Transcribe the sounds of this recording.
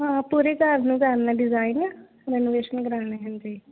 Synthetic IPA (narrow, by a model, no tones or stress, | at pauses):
ɦãːpuːɾeːkəɾnũːɡaːɾnaːɖɪzaːɪna | ɾɛːnoːʋeːʃənɡəɾaːɽ̃eːɦə̃nd͡ʒeː